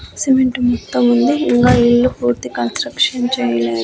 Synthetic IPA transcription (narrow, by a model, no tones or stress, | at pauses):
simeɳʈmɔt̪ːɐmund̪iiŋkaːiɭːupuːɾt̪ikɐnsʈɾɐkʂɐnt͡ʃɛːjɐleːd̪